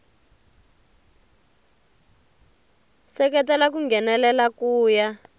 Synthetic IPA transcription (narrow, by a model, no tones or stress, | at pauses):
sɛk̬ɛtɛlak̬uŋɡɛnɛlɛlakuːja